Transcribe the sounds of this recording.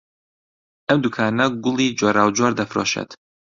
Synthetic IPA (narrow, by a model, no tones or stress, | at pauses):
ʔɐmd̪ukʰaːnɐɡʊlˠiːd͡ʒoːɾaːwd͡ʒwaɾd̪ɐfɾo̰ːʃḛːt̪